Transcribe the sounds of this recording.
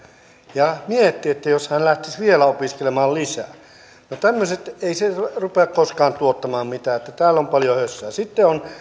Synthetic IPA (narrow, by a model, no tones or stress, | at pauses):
jɑmiet̪ːiet̪ːæjoshænlæht̪isʋielæopiskelemɑːllisæ̰ | not̪æmːøset̪eiserupeɑkkoskɑːnt̪uot̪ːɑmɑːmmit̪æːet̪ːæt̪æːlːompɑljohøsːæːsit̪ːeon